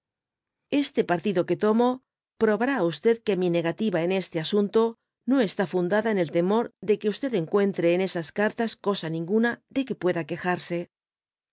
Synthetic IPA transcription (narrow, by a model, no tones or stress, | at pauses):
e̞st̪e̞paɾt̪iðo̞ke̞t̪o̞mo̞ | pɾo̞βaɾaːust̪e̞ðke̞mine̞ɣat̪iβaene̞st̪e̞asunt̪o̞ | no̞est̪afund̪aðaene̞lt̪e̞mo̞ɾðe̞ke̞ust̪e̞ðe̞ŋkwe̞nt̪ɾe̞ːne̞saskaɾt̪asko̞sanĩŋɡunaðe̞ke̞pwe̞ðake̞xaɾse̞